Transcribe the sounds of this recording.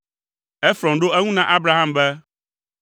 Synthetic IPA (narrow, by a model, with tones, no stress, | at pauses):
ɛ˦fɾɔ̃˨nɖo˦ɛ˦ŋũ˦nã˦ʔa˦bɾa˨ɦã˦mbɛ˦